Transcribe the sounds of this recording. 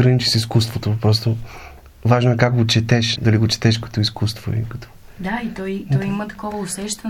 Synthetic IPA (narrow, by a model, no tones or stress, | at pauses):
ɾɐnit͡ʃi̥siskust̪vot̪opɾɔst̪o | vaʒnoɛkakɡot͡ʃɛt̪ɛʃd̪ɐliɡot͡ʃɛ̥t̪ɛʃ̬kɐ̥t̪oiskust̪voḭkɐ̥t̪ʰɔ̥ | d̪ait̪ɔjt̪ɔjimət̪ɐ̥kɔvəʊsɛʃt̪ɐ